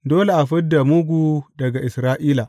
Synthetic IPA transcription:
doː˦le˨ʔa˨ɸɐ˦dːa˨mʊ˦ɡʷu˦dɐ˨ɡa˨ʔɪ˨sɾaː˦ʔiː˦la˨

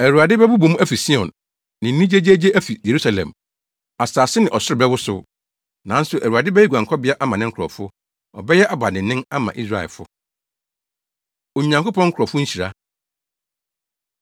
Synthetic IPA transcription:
æ˨ɾu˨a˨dɪ˦bɛ˦bʊ˦bu˨˦mũ˦æ˦fi˨sĩ˦ɔ̰̃˨n | nɪ̃˨n̩˦nĩ˦d͡ʑe˦d͡ʑe˦d͡ʑe˦ʔæ˦fi˨je˨ɾu˦sa˦lɛ̰̃˨m | a˨saː˨sɪ˦nɪ̃˨ʔɔ˨sʊ˦ɾɪ˨bɛ˦wʊ˦sʊ̰˦ | nã˨n̩˦sʊ˨ʔæ˨u˨a˨dɪ˦bɛ˦ɛ˦ɡu˨ã˨ŋkʰɔ˦bɪ˦a˦ʔa˦mã˨nɪ̃˦kʰʊ˨ɾɔ̰˨fʊ˦ | ɔ˨bɛ˦jɛ˦ʔa˨ba˨nɪ̃˨nɪ̃˦na˦mã̰˨ʔi˦s̬ɾa˦˨ɛ̰˨lfʊ̰˦ | õ˨ɲã˨ŋko˦pʰɔ̃˦ŋ̩˦kʰɔ˨fʊ˦ɲ̩˦ɕi˨ɾa˦

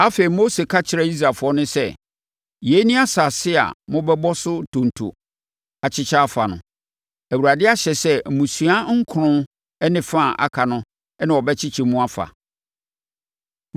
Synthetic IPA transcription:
a˦fe˨i˨mo˦se˨kʰa˦t͡ɕʰɪ˨ɾa˨i˦s̬ɾa˨fʊ˨˦ɔ˦nʊ̃˦sɛ˦ | je˨˦nĩ˦a˦sa˨sɪ˦a̰˨mʊ̃˦bɛ˦bɔ˦sʊ˦tʰõ˨n˨tʰṵ˨ | a˨t͡ɕʰɪ˦t͡ɕʰa˦fa˨nʊ̰̃˨ | æ˨wu˨ɾa˨dɪ˦a˦ɕɛ˨sɛ˦˨mũ˨su˨a˦ŋ̩˦kʰʊ˨ɾʊ̃˦ | ɛ˦nɪ̃˨fã˦˨ʔa̰˨kʰa˨nʊ̃˦ | ɛ˦nã˨ɔ˨bɛ˦t͡ɕʰɪ˦t͡ɕʰi˨mũ˦a˦fa̰˨

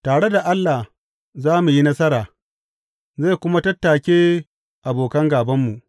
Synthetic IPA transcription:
taː˨ɽe˦da˨ʔa˦lːa˨h | zaː˦mu˨ji˦nɐ˦sɐ˦ɾaː˨ | za˦˨kʷʊ˦ma˦tɐ˦tːaː˨kʲeː˦ | ʔa˨boː˨kɐ˦ŋɡaː˨bɐ˦mːu˨ʔ

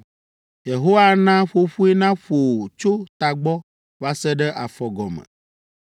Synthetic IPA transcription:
je˨ɦo˦wa˦nã˦ɸo˦ɸu˦e˦nã˦ɸo˨t͡ʃo˦t̪a˨ɡ͡bɔ˦ | va˦sɛ˦ɖɛ˦ʔa˨fɔ˨ɡɔ˨mə̰̃˨

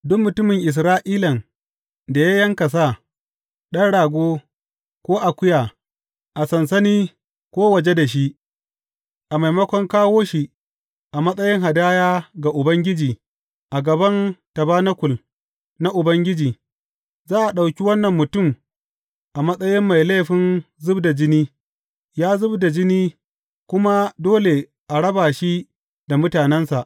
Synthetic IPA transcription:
dʊ˦mmʊ˨tʊ˦mɪ˨ŋʔɪ˨s̬ɾaː˦ʔiː˦lɐ˨ŋ | da˨ja˦jɐ˦ŋkɐ˨s̬a˦˨ | ɗɐ˦nɽaː˨ɡʷoː˦ | kʷoː˦ʔa˨kʷʊ˦jaː˨ | ʔa˨sɐ˨nsɐ˦niː˦ | kʷoː˦wɐ˨d͡ʒe˦da˨ʃ̬i˦ʔ | ʔa˨ma˨jmɐ˦kʷɔ˦ŋkaː˦woː˦ʃi˦ | ʔa˨mɐ˦sʼɐ˦jɪ˦ŋɦa˨daː˦jaː˦ɡa˨ʔʊ˨bɐ˦ŋɡʲɪ˦d͡ʒiː˨ | ʔa˨ɡɐ˨bɐ˦ntɐ˨baː˦nɐ˦kʷʊ˨l | na˦ʔʊ˨bɐ˦ŋɡʲɪ˦d͡ʒiː˨ | zaː˦ʔa˨ɗa˨wkʲi˦wɐ˦nːɐ˨mːʊ˨tʊ˦m | ʔa˨mɐ˦sʼɐ˦jɪ˦mːa˨jle˦˨ɸɪ˦nzʊ˦bda˨d͡ʒɪ˦niː˦ | jaː˦zʊ˦bda˨d͡ʒɪ˦niː˦ | kʷʊ˦ma˦doː˦le˨ | ʔa˨ɽɐ˦baː˨ʃi˦ | d̥a˨mʊ˦taː˨nɛ˦nsa˨ʔ

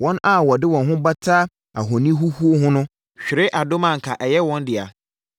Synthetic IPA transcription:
wɔ̃˦na˦wɔ˨dɪ˦wɔ̃˨nɦʊ̃˦ba˦tʰa˦ | a˨ɦɔ˨nĩ˦ɦu˦hu˦o˦ɦʊ̃˦nʊ̃˦ | ɕᶣɪ˨ɾɪ˦ʔa˨dʊ˦mã˦˨ŋ̩˨kʰa˨ʔɛ˨jɛ˦wɔ̃˦ndɪ˨a̰˨

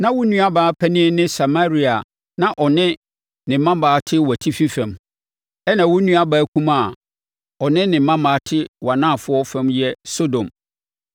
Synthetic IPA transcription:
nã˦wʊ˦nũ˦a˦baː˨˦pʰæ˦nɪ̃˦nɪ̃˦sa˨ma˦ɾi˦a˨ | nã˨ʔɔ˨nɪ̃˦ | nɪ̃˨m̩˦mã˦mbaː˨˦˨tʰɪ˦wæ˨tʰi˦fi˦fɛ̃˨m | ɛ˦nã˨wʊ˦nũ˦a˦baː˨˦kʰũ˦ma˦˨ | ɔ˨nɪ̃˦nɪ̃˨m̩˦mã˦mbaː˨˦tʰɪ˦wa˨nã˦˨fʊ˦ɔ˦fɛ̃˦mjɛ˦so˦dõ˨m

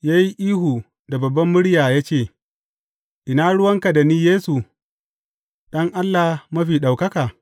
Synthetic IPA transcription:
jaː˦ji˦ʔiː˦ɦuː˨ | da˨bɐ˨bːɐ˦mːʊ˦ɽjaː˨jaː˦t͡ʃeː˦˨ | ʔɪ˨naː˦ɽʊ˦wɐ˦ŋka˨da˨niː˦jeː˦su˨ | ɗɐ˦ŋʔa˦lːa˨hmɐ˦ɸiː˨ɗa˨wkɐ˦kaː˨

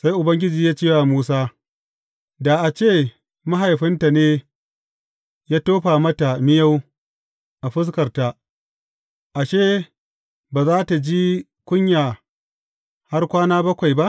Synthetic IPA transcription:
sa˦jʔʊ˨bɐ˦ŋɡʲɪ˦d͡ʒiː˨jaː˦t͡ʃeː˦˨waː˨muː˦saː˦ | da˨ʔa˨t͡ʃeː˦˨ | ma˦ɦa˨jɸɪ˦nta˨neː˦ | jaː˦toː˦ɸaː˨mɐ˦ta˨mɪ˦ja˦w | ʔa˨ɸɪ˦s̬kɐ˨rta˨ | ʔa˨ʃeː˦˨ | baː˨zaː˦ta˨d͡ʒi˦ | kʷʊ˦ɲjaː˨ | ha˦rkʷaː˦naː˦bɐ˦kʷa˨jba˦ʔ

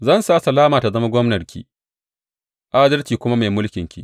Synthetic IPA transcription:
zɐ˦˨nsaː˦˨˦sɐ˨laː˦maː˨ta˨zɐ˦ma˦ɡʷɔ˦mnɐ˨rkʲḭː˦˨ | ʔa˦dɐ˦rt͡ʃiː˨kʷʊ˦ma˦meː˨mʊ˦lkʲɪ˨ŋkʲḭː˦

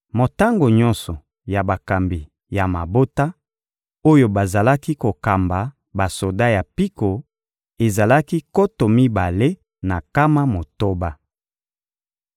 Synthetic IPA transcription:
mo˨ta˦ŋɡo˨ɲɔ˦nsɔ˨ | ja˨ba˨ka˨mbi˨ | ja˨ma˨bo˦ta˦ | o˦jo˦ba˨za˨la˦ki˦ko˨ka˨mba˨ | ba˨so˨da˦ja˨pi˦ko˨ | e˨za˨la˦ki˦ko˦to˨mi˦ba˨le˦ | na˨ka˦ma˦mo˨to˦ba˦

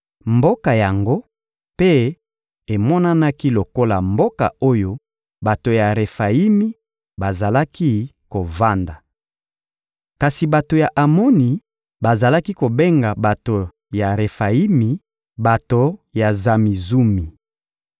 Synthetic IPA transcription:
mbo˦ka˨ja˨ŋɡo˦ | pe˦ | e˨mɔ˦na˦na˦ki˦lo˨ko˦la̰˨mbo˦ka̰˨o˦jo˦ | ba˨to˨ja˨ʁe˨fa˨i˦mi˦ | ba˨za˨la˦ki˦ | ko˨va˦nda˨ | ka˨si˨ba˨to˨ja˨ʔa˨mɔ˦ni˨ | ba˨za˨la˦ki˦ko˨be˦ŋɡa˨ba˨to˨ | ja˨ʁe˨fa˨i˦mi˨ | ba˨to˨ja˨za˨mi˨zu˦mi˨

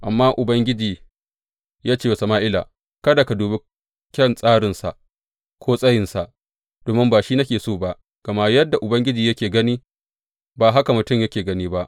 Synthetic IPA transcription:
ʔa˨mːaː˦ʔʊ˨bɐ˦ŋɡʲɪ˦d͡ʒiː˨ | jaː˦t͡ʃeː˦wsɐ˨maː˦ʔɪ˦la̰ː˨ | kɐ˦da˨ka˨duː˨be˦ | kʲɛ˦˨nsʼaː˦ɽɪ˨nsa˨ʔ | kʷʰoː˦sʼɐ˦jɪ˨nsa˨ʔ | d̥oː˨mɪ˦mbaː˨ʃiː˦nɐ˦kʲeː˨soː˦ba˦ʔ | ɡ̥ɐ˨ma˦jɐ˦dːa˨ʔʊ˨bɐ˦ŋɡʲɪ˦d͡ʒiː˨jɐ˦kʲeː˨ɡɐ˦niː˦ | baː˨ɦa˦ka˨mʊ˨tʊ˦mjɐ˦kʲeː˨ɡɐ˦niː˦ba˦ʔ

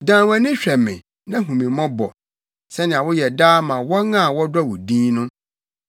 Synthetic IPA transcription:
dãː˨wɛ̃˨nɪ̃˦ɕᶣɛ˨mɪ̰̃˨ | nã˦ɦũ˨mĩ˨mɔ̃˦bɔ̰˨ | sɛ˦nɪ̃˨a˨wʊ˦jɛ˨daː˦mã˨wɔ˦ŋã˦˨wɔ˦da˦wʊ˨dĩː˦nʊ̃˦

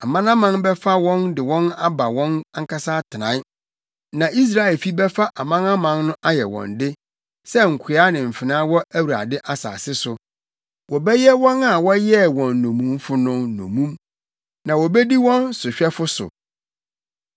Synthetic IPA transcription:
a˨mã˦nã˦mã˦nbɛ˦fa˦wɔ̃˦ndɪ˨wɔ̃˦na˦ba˨wɔ̃˦na˦ŋ˦kʰa˦sa˦tʰɪ˨nã̰˨˦ | nã˨ʔi˦s̬ɾa˦˨ɪ˨lfi˦bɛ˦fa˦ʔa˨mã˦na˦mã˦nːʊ̃˦ʔa˦jɛ˨wɔ̰̃˨ndɪ˦ | sɛ˦ŋ̩˨kʷʰɪ˨˦a˦nɪ̃˨m̩˨fɪ˨nã˦wɔ˦æ˦wu˨ɾa̰˨dɪ˦ʔa˨sa̰ː˨sɪ˦sʊ˨ | wɔ˨bɛ˦jɛ˦wɔ̃˦na˨wɔ˦jɛ˦˨wɔ̃˨nːõ˨mũ˦m˦fʊ˦nʊ̃˦nːõ̰˨mũ˦m | nã˨wɔ˨bɛ˦di˦wɔ̃˦nsʊ˨ɕᶣɛ˦fʊ˦sʊ̰˨

